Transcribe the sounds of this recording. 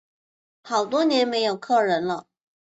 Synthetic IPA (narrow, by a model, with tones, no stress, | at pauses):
xɑ˨˩ʊt̪wɔ˥njɛ˧˥nme˧˥ɪjo˨˩ʊkʰɤ˥˩ɻə˧˥nlə˧